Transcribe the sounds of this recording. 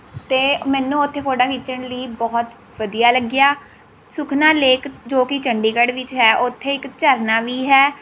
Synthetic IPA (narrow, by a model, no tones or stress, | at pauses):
t̪eːmɛ̃ːnũːʊt̪ʰːeːkʰoːɖaːkit͡ʃəɳləiːbɔːt̪ | ʋəd̪ijaːləɡɪjaː | sʊkʰnaːleːkd͡ʒoːkit͡ʃəɳɖiːkəɽʋɪt͡ʃɦɛːʔʊt̪ʰːeːɪkt͡ʃəɾnaːʋiːɦɛː